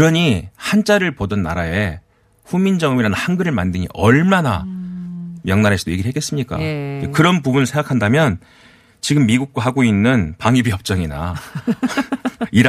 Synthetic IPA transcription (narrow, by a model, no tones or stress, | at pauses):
ɾʌɲihant͡ɕ͈aɾɯɭpodʌnːaɾae̞ | ɸumind͡ʑʌŋɯmiɾanɯnhaŋɡɯɾɯɭmandɯɲḭʔʌɭmana̰ | mjʌŋnaɾɦas͈ɯdoje̞ɡiɾɭhek͈e̞s͈ɯmɲik͈a̰ekɯɾʌnpubunɯɭsʰe̞ŋɡakʰandamjʌn | t͡ɕiɡɯmːiɡuk̚k͈waɦaɡoinːɯnpaŋibijʌp̚t͡ɕ͈ʌŋina̰ | iɾ